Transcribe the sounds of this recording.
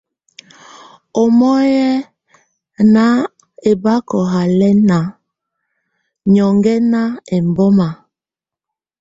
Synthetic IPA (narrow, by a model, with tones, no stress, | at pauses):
o˨mɔ˦jɛ˦ | na˦ | e˨ba˦kɔ˨ɦa˨lɛ˦na˨ | ɲɔ˨ŋɡɛ˦na˦e˨mbɔ˦ma˨